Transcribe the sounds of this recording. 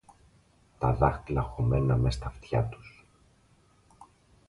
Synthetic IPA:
t̪ɐðɐxt̪ilɐxomennɐmest̪ɐft̪çɐ̰t̪u̥s

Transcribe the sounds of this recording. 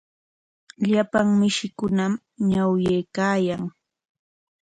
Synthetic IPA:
ʎapaŋmɪʃɪkʊnam | ɲawjejkaːjaŋ

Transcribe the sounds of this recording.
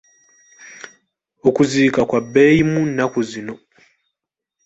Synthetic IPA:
okuziːkakwabːeːjimunːakuzino̞

